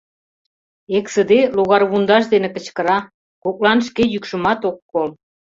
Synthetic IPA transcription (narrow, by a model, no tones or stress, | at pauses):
eksə̆d̪eloɣɑrβund̪ɑʃd̪enĕkə̆t͡ɕkə̆ɾɑ | kok̚lɑnʃ̬kejykʃə̆mɑt̪okːol